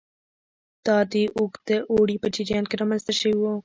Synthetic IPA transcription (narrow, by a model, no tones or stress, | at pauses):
d̪̥ɑd̪iʔʊkd̪əʔoɽipət͡ʃiɾjɑnkeɾɑmanst̪aʃəwiwo